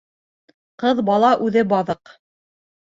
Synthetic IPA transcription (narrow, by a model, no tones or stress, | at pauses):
qɤðbɑlˠɑʔʉðɘbɑðɤq